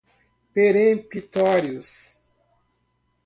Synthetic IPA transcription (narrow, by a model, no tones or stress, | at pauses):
peɾẽpit̪ɔɾjʊs